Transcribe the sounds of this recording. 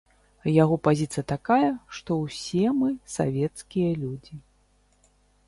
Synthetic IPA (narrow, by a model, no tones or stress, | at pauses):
jaɣɔpazʲit̪sɨjɐt̪akajɐʂt̪ɔwsʲɛmɨsa̰vʲɛt̪skʲijɐlʲud͡zʲi